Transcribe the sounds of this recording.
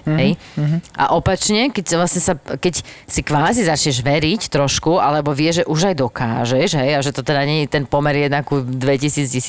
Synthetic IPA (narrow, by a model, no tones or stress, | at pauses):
ɦɛj | ʔa̰ʔɔpat͡ʃɲɛkɛcsʋlasɲɛsakɛcsikʋaːzizat͡ʃɲɛʒʋɛɾict̪ɾɔʃkualɛbɔʋɪɛʒʒɛʔuʒajd̪ɔka̰ːʒɛʒɦɛjaʒɛt̪ɔt̪ɛd̪aɲɛɲit̪ɛnpɔmɛɾjɛd̪nakud̪ʋɛcisiːd͡zcis